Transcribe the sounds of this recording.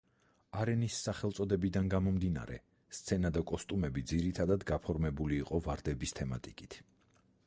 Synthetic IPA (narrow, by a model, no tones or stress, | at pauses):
aɾɛnisːaχɛlˠt̪sʼɔd̪ɛbid̪anɡamɔmd̪ina̰ɾɛ | st̪sʰɛnad̪akʼɔst̪ʼumɛbid̪ziɾit̪ʰad̪ad̪ɡapʰɔɾmɛbuliːqʼɔvaɾd̪ɛbist̪ʰɛmat̪ʼikʼit̪ʰ